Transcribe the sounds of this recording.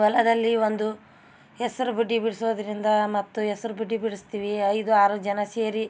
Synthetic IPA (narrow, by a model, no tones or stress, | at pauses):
ʋɐlɐd̪ɐlːiʋond̪u | esɐɾubiɖːibiɽisoːd̪ɐɾind̪ɐmɐt̪ːuɛsɐɾubiɖːibiɽist̪iːʋiɐjd̪uaːɾud͡ʒɐnɐseːɾi